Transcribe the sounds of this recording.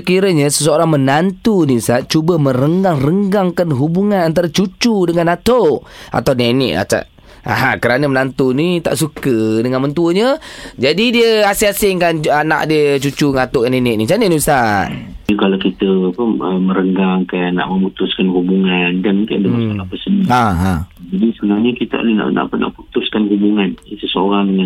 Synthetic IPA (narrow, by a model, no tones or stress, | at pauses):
səkiɾəɲəsəsəoɾaŋmənant̪uniəsaʔ̪̚t͡ʃubəməɾəŋɡaŋrəŋɡaŋkanɦubuŋanant̪̬aɾat͡ʃut͡ʃudəŋanat̪oʔ | ʔa̰t̪awnenɪ̰ʔa̰t͡ʃa̰ʔ | a̰ɦakəɾanəmənant̪unit̪a̰ʔsukədəŋanmənt̪uəɲəd͡ʒadidiəasiasɪŋkanana̰ʔdiət͡ʃut͡ʃuŋat̪ʊʔkanɛnɪʔ̚nit͡ʃanənibəsaʔkalakit̪əapəəmə̃ɾəŋɡaŋkanːa̰ʔməmut̪ʊskanɦubuŋandanmuŋkandəŋaskolapəsənəaɦãd͡ʒadisəbənaɲəkit̪ə̰ʔo̰lina̰ʔna̰ʔpəna̰ʔput̪ʊskanhubuŋanisəsəoɾaŋdəŋan